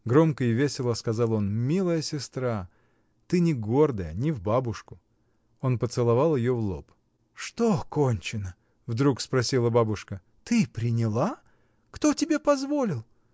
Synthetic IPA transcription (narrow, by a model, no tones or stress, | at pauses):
ɡɾo̞mkəɪvʲesʲɪlˠəskɐzɑlˠo̞nmʲilˠəjəsʲɪst̪ɾa | t̪ɨnʲɪɡo̞rd̪əjənʲɪvbabʊʂkʊ | o̞npət̪sɨlˠɐvalˠjɪjovlˠop | ʂt̪okonʲt͡ɕɪnə | vd̪ɾukspɾɐsʲilˠəbabʊʂkə | t̪ɨpɾʲɪnʲɪlˠa | kt̪o̞tʲɪbʲe̞pɐzvo̞lʲɪlˠ